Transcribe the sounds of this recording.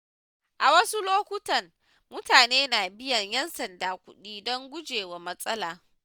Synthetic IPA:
ʔa˨wɐ˦su˦loː˦kʷʊ˦tɐ˨ŋ | mʊ˦taː˨neː˦naː˨bɪ˦jɐ˨ɲjɛ˦nsɐ˨ndaː˨kʷʊ̰˦ɗiː˦dɔ˦ŋɡʷʊ˦d͡ʒeː˨wa˨mɐ˦sʼɐ˦laː˨

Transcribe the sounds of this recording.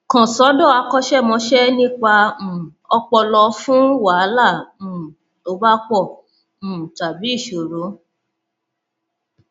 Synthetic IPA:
kɔ̃˨sɔ˨˦dɔ˦˨a˧kɔ˧ʃɛ˦˨mɔ̃˧˦ʃɛ˦nĩ˦k͡pã˧˨ɔ˧k͡pɔ˧lɔ˧fũ˦wa˨˦la˦˨ũ˨ | o˧˦ba˦k͡pɔ̃˦˨ | ta˨bi˨˦i˦˨ʃo˨ɾo˨˦

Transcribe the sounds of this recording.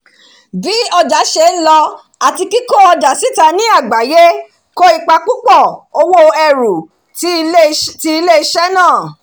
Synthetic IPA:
bi˦ɔ˧d͡ʒa˨˦ʃe˧˨n̩˦lɔ˧ | a˨ti˧ki˦ko˦ɔ˧da˨si˦ta˧nĩ˨˦a˦˨ɡ͡ba˨˦je˦ | ko˦i˦˧k͡pa˧k͡pu˦k͡pɔ˦˨o˧wo˦ɛ˧˨ɾu˨˦ | ti˧i˧le˦i˧ʃɛ˦nãː˦˨

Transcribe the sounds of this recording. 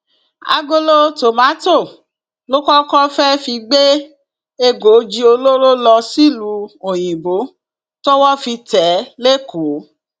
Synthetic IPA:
a̰˨˧ɡo˧lo˧to˨mã˨˦to˦˨ | lo˦kɔ˦kɔ˦fɛ˦fi˧ɡ͡be˦ | e˧ɡo˨˦d͡ʒi˦o˧lo˦ɾo˦lɔ˧si˦lu˨˦o˨j̃ĩ˨bo˨˦ | to˦wɔ˦fi˧tɛ˨˦le˦ku˨˦

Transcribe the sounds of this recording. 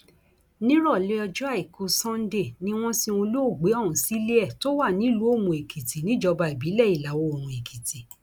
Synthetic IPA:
nĩ˦ɾɔ˦˨le˧˦ɔ˧d͡ʒu˦a˦˨i˨ko˧sɔ̃˦n̩˦de˦˨nĩ˦w̃ɔ̃˦sĩ˦o˧lu˦o˦˨ɡ͡be˨˦ɔ˦˨ũ˨si˦li˦ɛ˦˨to˦wa˦˨nĩ˨˦˨lu˨˦o˦˨mũ˨e˨kʰi˨ti˨nĩ˦d͡ʒɔ˧ba˧i˨bi˨˦lɛ˦˨i˨la˨wo˧o˨mũ˨e˨kʰi˨ti˨

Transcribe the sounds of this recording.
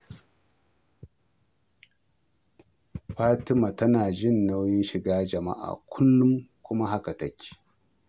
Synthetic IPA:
ɸaː˦tɪ˦ma˨tɐ˦naː˨ʒɪ˦˨nːa˦wjɪ˦nʃɪ˨ɡaː˦d͡ʒɐ˨ma̰˦ʔa̰ː˨kʷʰʊ˦lːʊ˦mkʷʊ˦ma˦ɦa˦ka˨tɐ˦kʲʰːi̥ː˨

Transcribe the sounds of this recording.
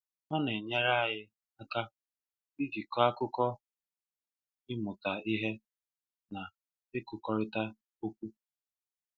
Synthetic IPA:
ɔ˦ne˨ɲa˦ɾa˦a˦ɦɪ˦ | a˦ka˦ | i˦ɡi˨kɔ˦a˦kʊ˦kɔ˦ | ɪ˦mʊ˨ta˨i˦ɦe˦ | na˨ | ɪ˦kʊ˨kɔ˦ɾɪ˦ta˦ | o˦kʷu˦

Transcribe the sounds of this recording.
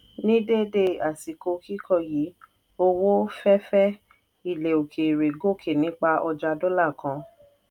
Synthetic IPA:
nĩ˦de˦de˧a˨si˨ko˧ki˦kʰɔ˦˧˨ji˨˦ | o˧wo˦fɛ˦fɛ˦ | i˦˨le˨o˨kʰe˨ɾe˨ɡo˦˨kʰe˨nĩ˨˦k͡pa˧ʔɔ˧d͡ʒa˧dɔ˦la˦˨kã˧

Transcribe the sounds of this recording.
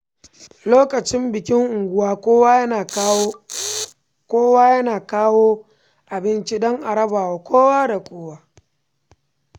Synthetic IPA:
loː˦kʼɐ˨t͡ʃɪ˦mbɪ˨kʲɪ˦ŋʔʊ˨ŋɡʷʊ˦waː˦koː˦wa˦j | kʷoː˦waː˦jɐ˦naː˨kaː˦woː˦ | ʔa˨bɪ˦nt͡ʃi˦dɔ˦ŋʔa˨ɽɐ˦baː˨wa˨kʷʰoː˦wa˦da˨kʷoː˦waː˦

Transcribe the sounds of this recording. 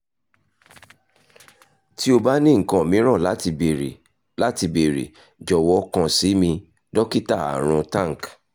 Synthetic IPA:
ti˦o˧ba˦nĩ˦˨ŋ̩˨kã˨mĩ˨˦ɾ̃ã˦˨la˦˧˨ | la˦ti˧be˨ɾḛ˨ | d͡ʒɔ˨wɔ˧˦kã˧si˨˦mĩ˧ | dɔ˦ki˦ta˦˨a̰˨ɾ̃ũ˧tã˦˨k

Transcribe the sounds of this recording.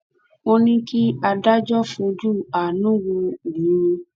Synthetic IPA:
o˧nĩ˦ki˦a˧da˦d͡ʒɔ˦fũ˧d͡ʒu˦˨a˨nũ˦wũ˧˨nĩ˨˦u˧

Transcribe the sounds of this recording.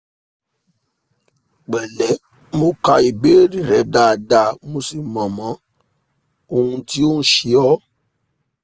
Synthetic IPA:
k͡pɛ˨lɛ˨˦ | mo˧ka˧i˨be˨˦ɾi˦˨ɾɛ˨˦da˨da˨mo˧si˨mã˨mã˨˦ | o˧hũ˧ti˦o˦ñ̩˦ʃi˨˧˦ɔ˦

